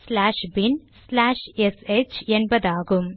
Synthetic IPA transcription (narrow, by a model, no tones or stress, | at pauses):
slaːʂbinslaːʂeset͡ɕenbɐd̪aːɣum